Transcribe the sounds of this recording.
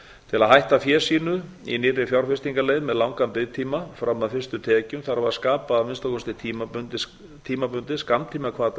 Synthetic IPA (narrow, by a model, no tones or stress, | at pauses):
t̪ʰɪlaðɦajht̪afjɛ̥ːsiːnʏ | ḭnɪɾɪfjawɾ̥fɪst̪iŋkaleːjðmɛðlawŋkampɪðt̪ʰiːmafɾamːaðfɪrst̪ʏt̪ʰɛːcʏmθaɾavaskaːpaːvɪnst̪akʰɔst̪ɪt̪ʰiːmapʏnt̪ɪs | t̪ʰiːmapʏnt̪ɪskamt̪ʰiːmakʰvaːt̪